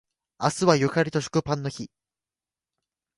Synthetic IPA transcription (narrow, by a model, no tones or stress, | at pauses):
asɨβajɯ̟kaɾʲit̪o̞ɕi̥kɯ̟pãnːo̞çi